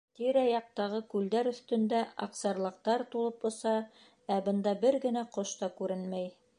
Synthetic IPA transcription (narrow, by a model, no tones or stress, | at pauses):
t̪iɾæjɑq̚t̪ɑʁɤkʉld̪æɾɵ̆θt̪ɵ̆nd̪æɑ̰qsɑɾlˠɤ̆q̚t̪ɑɾt̪ulˠɤpŏsɑ | æbɤ̆nd̪ɑbɘɾɡɘ̆næqoʃt̪ɑkʉɾɘnmæj